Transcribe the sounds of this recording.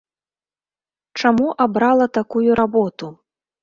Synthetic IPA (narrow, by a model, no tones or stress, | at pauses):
t͡ʂamuʔabɾalˠɐt̪akujuɾabɔt̪u